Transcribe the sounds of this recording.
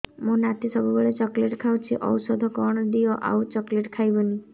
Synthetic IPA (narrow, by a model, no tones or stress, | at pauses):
mũnat̪ʰisɔbubeɭet͡ʃɔkleʈkʰawt͡ʃʰiʔɔwsɔd̪ʱɔkɔɽ̃ɔd̪iɔʔa̰wt͡ʃɔkleʈkʰajbɔni